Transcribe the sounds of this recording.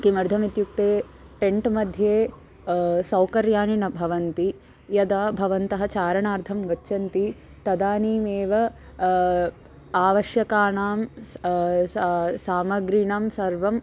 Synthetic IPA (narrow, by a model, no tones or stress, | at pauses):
kimɐɾd̪ʱɐmit̪juk̚t̪eː | ʈeɳʈmɐd̪ʱjeː | sɐwkɐɾjaːninɐbʱɐʋɐnt̪i | jɐd̪aːbʱɐʋɐnt̪ɐɦɐt͡ʃaːɾɐɳaːɾd̪ʰʱɐmɡɐtːt͡ʃɐnt̪i | t̪ɐd̪aːniːmeːʋɐ | aːʋɐʃjɐkaːɳaːm | saːmɐɡɾiɳɐmsɐɾʋɐm